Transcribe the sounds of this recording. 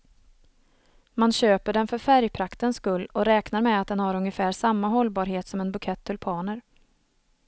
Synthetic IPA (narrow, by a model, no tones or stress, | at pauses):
manɕøːpəɖɛnfœɾfæɾjpʰɾakt̪ənskɵlːɔɾɛːknaɾmɛat̪̚d̪ɛnhaɾɵŋjəfæːɾsamːaɦɔlːbɑːɾɦeːt̪sɔmɛnbɵkʰɛt̪ʰːɪlpʰɑːɳəɾ